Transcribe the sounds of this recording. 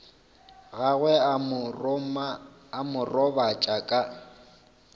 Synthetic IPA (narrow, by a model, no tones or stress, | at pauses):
ɣaɣwɛ | mː | mʊrɔbat͡ʃʼakʼa